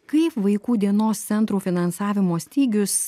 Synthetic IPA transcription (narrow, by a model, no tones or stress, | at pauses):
kɐɪpʋɐɪkuːd̪ʲiɛnoːst̪sʲɛnt̪ɾuːfʲɪnɐnsɑːʋʲɪmoːsʲt̪ʲiːɡʲʊs